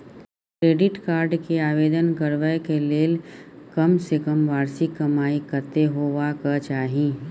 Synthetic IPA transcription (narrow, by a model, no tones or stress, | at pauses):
kɾeːɖɪʈkaːɾɖkeaːʋeːd̪ənkəɾʋəjkeleːlkɐmsekəmʋaːɾsikɐmaːikəɾt̪eɦoːʋakət͡ʃaːɦĩː